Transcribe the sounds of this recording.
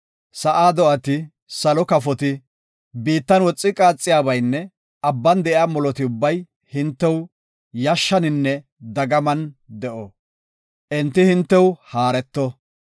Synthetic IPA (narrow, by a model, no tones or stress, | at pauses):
sɐʔaːd̪ɔʔɐt̪ɪ | sɐlɔkɐfɔt̪ɪ | biːt̪ːɐnwɔt͡sʼːɪkʼaːt͡sʼːɪjaːbɐjnːɛ | ʔɐbːɐnd̪ɛʔɪaːmɔlɔt̪ɪʊbːɐj | hɪnt̪ːɛw | jɐʃːɐnɪnːɛ | d̪ɐɡɐmɐnd̪ɛʔɔ | ʔɛnt̪ːɪhɪnt̪ːɛwhaːɾɛt̪ːɔ